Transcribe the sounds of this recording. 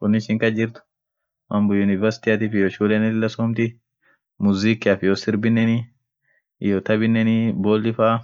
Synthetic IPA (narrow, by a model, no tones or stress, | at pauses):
kʊnːɪʃɪŋkɐd͡ʒɪɾt̪ʊ̥ | mɐmbʊjʊnɪvɐɾsɪ̥t̪ɪɐt̪ifɪjoːʃuːlɛnɛlɪlːɐsoːmt̪ɪ | mʊzikːɪɐfɪjosɪɾbɪnːɛni | joːt̪ɐbɪnːɛniboːlːɪfaː